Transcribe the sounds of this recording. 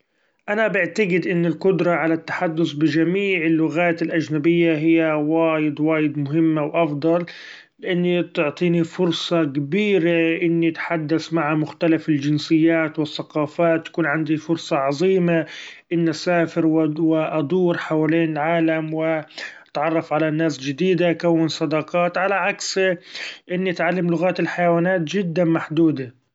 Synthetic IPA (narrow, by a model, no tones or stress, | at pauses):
ʔanabɪʕt̪aɡɪd̪ʔɪnːɪlqʊd̪ɾˤɑʕalat̪ːḁħad̪ːʊsbɪd͡ʒamiːʕɪlːʊɣaːt̪ɪlʔad͡ʒnabɪjːaɦɪjːawaːjɪd̪waːjɪd̪mʊɦɪmːawʔɑfd̪ˤɑlː | ɪʔanːit̪ʊʕt̪ˤiːnifʊɾsˤɑkabiːɾaʔɪnːit̪ħad̪ːaθmaʕamʊxt̪alafɪld͡ʒɪnsɪjːaːt̪wɪθːaqɑːfaːt̪ːḁkuːnʕand̪ifʊɾsˤɑʕɑzˤiːmaʔɪnːʔasaːfɪɾwwɪʔɑd̪ˤuːɾħawaleːnɪlʕaːlamwɪ | t̪ʕɑrˤːɑfʕalanːaːsd͡ʒɪd̪iːd̪aʔkawːɪnsˤɑd̪ɑqɑːt̪ʕalaʕaks | ʔɪnːiʔat̪ʕalːamlʊɣaːt̪ɪlħajawaːnaːt̪d͡ʒɪd̪ːamaħd̪uːd̪a